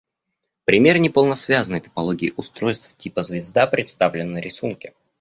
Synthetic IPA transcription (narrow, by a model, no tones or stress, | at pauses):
pɾʲɪmʲe̞rnʲɪpəlˠnəsvʲazənəjt̪ə̥pɐlˠoɡʲɪːʔʊst̪ɾo̞jst̪ftʲipəzvʲɪzd̪apɾʲɪt̪st̪avlʲɪnːəɾʲɪsunkʲɪ̥